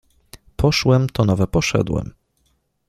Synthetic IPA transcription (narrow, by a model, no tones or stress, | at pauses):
pʰɔʂwɛmt̪ɔnɔvɛpɔʂɛ̰d̪wɛ̰m